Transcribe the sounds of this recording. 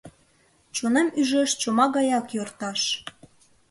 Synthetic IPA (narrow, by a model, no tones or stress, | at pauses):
t͡ɕonemyʒəʃt͡ɕomɑɣɑjɑkjort̪ɑʃ